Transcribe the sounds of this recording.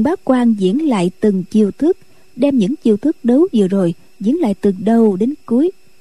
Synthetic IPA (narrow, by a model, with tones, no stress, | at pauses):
ɓaː˨˦˥kwaː˧nzḭ˧˥ənla̰ː˧˨jt̪ɨ˨˩ŋt͡ɕi˧əwt̪ʰɨ˦˥k̚ | ɗɛ˧mɲɨ̰˧˥ŋt͡ɕi˧əwt̪ʰɨ˦˥k̚ɗə˨˦wvɨ̰˧˨əzo˨˩j | zḭ˧˥ənla̰ː˧˨jt̪ɨ˨˩ɗə˧wɗe˨˦nku˨˦əj